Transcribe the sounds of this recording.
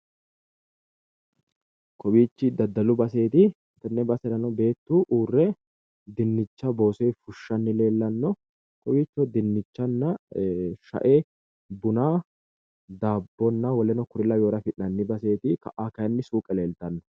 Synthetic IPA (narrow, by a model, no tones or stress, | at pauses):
kʰɔwiːt͡ʃːɪd̪ɐd̪ːɐlʊbɐse̞ːt̪ɪ | nt̪ːɛnːɛbɐsɛɾɐnɔbe̞ːt̪ːuːʔuːrːɛ | d̪ɪnːɪt͡ʃːɐbo̞ːsɔjfʊʃːɐnːɪle̞ːlːɐnːɔ | kɔwiːt͡ʃːɔd̪ɪnːɪt͡ʃːɐnːɐ | ʃɐ̰ʔe | bʊnaː | d̪aːbːɔnːɐwɔlɛnɔkʊɾɪlɐjo̞ːɾɐfɪʔnɐnːɪbɐse̞ːt̪ɪkɐ̰ʔakɐjɐnːɪsuːkʼɛle̞ːlt̪ɐnːɔ̥